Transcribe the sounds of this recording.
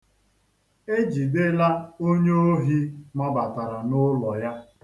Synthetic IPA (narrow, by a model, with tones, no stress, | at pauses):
e˦d͡ʒi˨de˦la˦o˦ɲe˦o˦ɦi˦mɔ˦ba˨ta˨ɾa˨nʊ˦lɔ˨ja˦